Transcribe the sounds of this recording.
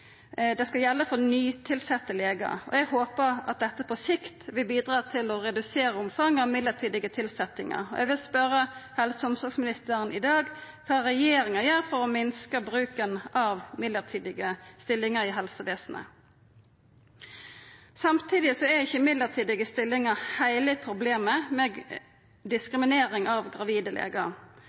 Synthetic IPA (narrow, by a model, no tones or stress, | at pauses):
d̪ɛskɑljɛlːəfɔʁnyːt̪ʰɪlsɛt̪ːəleːɡɑ̰ɔ̰ɛɡhoːpəɾɑ̰t̪̚d̪ɛt̪ːəpʰɔsɪkt̪ʋɪlbiːd̪ʁɑːt̪ʰɪlɔɾɛd̪ʉseːɾəʊmfɑŋːɑʋmɪd̪əʁt̪ʰiːd̪ɪɡət̪ʰɪlsɛt̪ːɪŋɑ̰ʁɔ̰ʔɛ̰ɡʋɪlspœɾəhɛlsəʊmsɔɡsmɪnɪst̪əʁənʔɪ̰d̪ɑːɡ | kʰɑːɾɛjeːɾɪŋəjœːɾfɔɾɔmɪnskəbʁʉːkənʔɑʋmɪd̪ləʁt̪ʰiːd̪ɪɡəst̪ɪlːɪŋəɾiːɦɛlsəʋeːsnə̰ | sɑmt̪ʰiːd̪ɪsɔɛɪçːəmɪd̪ləʁt̪ʰiːd̪ɪɡəst̪ɪlːɪŋəhæɪləpʰɾʊbleːməmɛ | d̪ɪskʁɪmɪneːɾɪŋɑʋɡʁɑʋiːd̪əlʔḛːɡɑ